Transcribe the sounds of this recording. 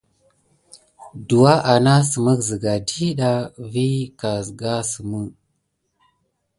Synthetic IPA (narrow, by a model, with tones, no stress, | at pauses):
du˨wa˦ʔa˨na˦sə˨mə˦kzə˨ɡa˨di˦ɗa˦vi˦ka˨zɡa˦sə˨mə˦˨